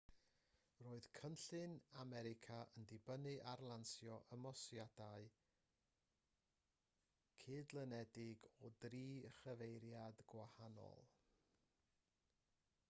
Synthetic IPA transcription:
roːɨð̥kʰənɬɨnamɛɾɪkʰaəndɪbənɨʔarlˠansjɔʔəmɔsjadaɨ | kʰɪːdlˠənɛdɪɡɔdriːəχəvejɾjadɡwahanɔ̰lˠ

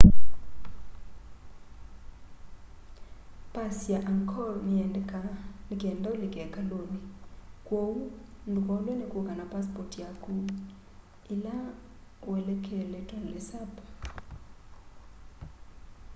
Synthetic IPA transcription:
pʼasjaʔaŋkʰɔlmiɛndɛkanikʼɛndʼaulikʼɛkʼalonikʼwowundʱukʼɔlɔlɛkʼukʼanapʼaspɔrtʰʼjakʰʼu | ila | wɛlɛkʰɛlɛtʼanlɛsapḁ

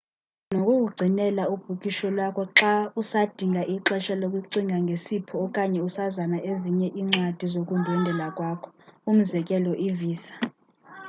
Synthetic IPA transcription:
nokʼukʼuɡ͡ǀʱinɛlaub̥ʱuk̬ʼiʃɔlwakʰɔǁausad̥ʱiŋɡʱaʔiǁɛʃalokʼwiǀiŋʱaŋɡʱesipʰɔːkʼaɲɛusazanaʔeziɲɛʔiːŋ͡ǀad̥ʱizokʼundʱɛndʱɛlakʼwaːkʰɔ̥um̩zɛk̬ʼɛlɔʔiviːsḁ

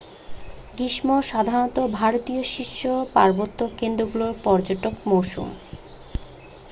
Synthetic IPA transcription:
ɡiʃmoʃad̪ʱanot̪obʱaɾot̪ioʃiʃːopa̰ɾbot̪ːokend̪ɾoɡuloɾpɔɾd͡ʑoʈokmowʃṵm

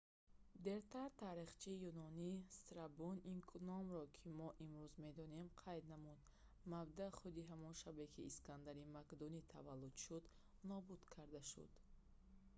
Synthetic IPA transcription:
d̪e̞ɾt̪aɾt̪ʰaɾiχt͡ʃʰiːjunɔnist̪ɾabuninkʰunɔmɾɔkʰimɔʔimɾuzme̞d̪ɔne̞mqʰajd̪namud̪ | mabd̪aχud̪iɦamɔnʃabekʰiːskʰand̪aɾimakd̪unit̪ʰa̰valːud̪ʃud̪ | nɔbud̪̥kʰaɾd̪aʃṵd̪̥

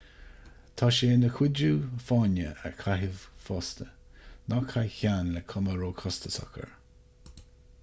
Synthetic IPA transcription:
t̪ʰɑːʃeːnəkʰwɪduːfanə̰ə̰kʰaɦɪvfɔːst̪ʰə | nɔkʰajçanləkʰɔməɾoːkʰɔst̪əsa̰kʰə̰ɹ

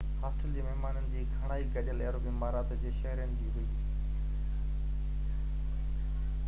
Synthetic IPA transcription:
haːsʈəld͡ʑeːmɛɦmaːnənɪ̆d͡ʑiːkʰɐɽ̃aːiɡɐʄəleɾobimaːɾaːt̪d͡ʑeːʃɐɦɾijənɪ̆d͡ʑiːɦʊiː

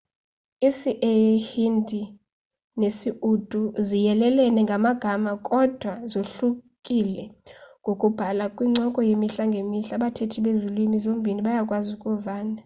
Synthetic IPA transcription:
isiʔɛhindʱi | nesiʔud̥ʱʼuzijɛlɛlɛnɛŋɡʱamaɡ̥ʱamakʼɔd̥ʱwazoɬukʼilɛŋɡʱokʼub̥ʱalakʼwiŋ͡ǀɔkʼɔjemiɬaŋɡʱemiɬaɓatʰetʰiɓezilimizom̩bʱiniɓajakʼwazukʼuvaːna

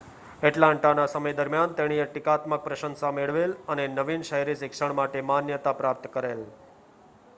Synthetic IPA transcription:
ɛʈlãɳʈanasəməjd̪əɾmjant̪eɽ̃ijəʈikat̪mək̚pɾəʃənsameɭʋelənenəʋinʃəɦjɾisɪkʃəɳ̃maʈemanjət̪apɾap̚t̪kəɾel

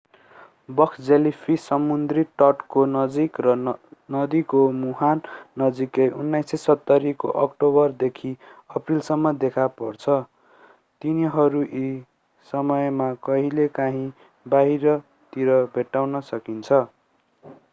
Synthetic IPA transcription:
bʌkʰd͡zelipʰisʌmund̪riʈʌʈkonʌd͡zikrʌnʌd̪ikomuɦanːʌd͡zikejʔunːajsesʌt̪ːʌɾiko̰ʔʌ̰kʈobʌrd̪ekʰiʌprilsʌmːʌd̪ekʰapʌrt͡sʰʌ | t̪iniɦʌɾuʔi | sʌmʌjmakʌɦilekaɦĩ | baɦiɾʌ | t̪iɾʌbʱeʈːawnʌsʌkint͡sʰʌ

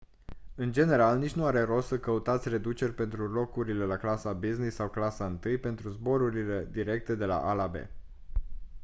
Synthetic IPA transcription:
ɨnd͡ʒe̞ne̞ɾalnit͡ʃnuaɾe̞ɾo̞səkəut̪at̪sʲre̞d̪ut͡ʃe̞rʲpe̞nt̪ɾulo̞kuɾile̞laklasabiznisːawklasaɨnt̪ɨjpe̞nt̪ɾuzbo̞ɾuɾile̞d̪iɾe̞k̚t̪e̞d̪e̞la̰ʔalabe̞̰

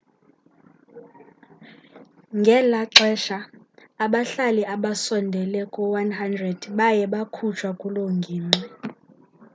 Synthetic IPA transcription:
ŋɡʱɛlaǀɛʃa | aɓaɬaliʔaɓasɔndʱɛlɛkʼɔwanhandrɛd̥ɓajɛɓakʰut͡ʃʰwakʼuloŋɡʱiːŋ͡ǀi

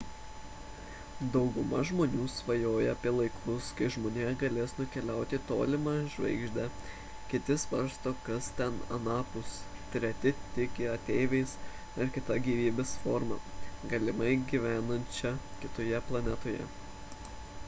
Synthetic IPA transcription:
d̪ɒʊɡʊmɐʒmoːnʲuːsʋɐjoːjɛɐpʲiɛlˠɐɪkʰʊskɐɪʒmoːnʲeːɡɐlʲeːsnʊkʲɛlʲæˑʊt̪ʲɪt̪oːlʲɪmɑʒʲʋʲɛ̰ɪɡʒʲd̪ʲɛ | kʲɪt̪ʲɪsʋɐɾst̪oːkɐst̪ʲɛnɐ̰nɑːpʊst̪ʲɾʲɛt̪ʲɪt̪ʲɪkʲɪɐt̪ʲɛɪʋʲɛɪs | ɐɾkʲɪt̪ɐɡʲiːʋʲiːbʲeːsfoːɾmɑ̰ːɡɐlʲɪmɐɪɡʲiʋʲæːnɐnʲt͡ʃʲɛkʲɪt̪oːjɛplˠɐnʲɛt̪oːjɛ̰

